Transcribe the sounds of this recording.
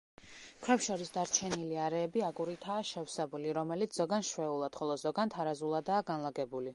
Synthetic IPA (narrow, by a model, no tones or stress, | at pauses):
kʰɾɛpʃɔɾisd̪aɾt͡ʃʰɛniliaɾɛːbiakʼuɾit̪ʰaːʃɛfsɛbuliɾɔmɛlit̪sʰz̥ɔɡanʃwɛulˠad̪̥χɔlˠɔzɔɡant̪ʰaɾazulˠad̪aːɡanlˠaɡɛbuli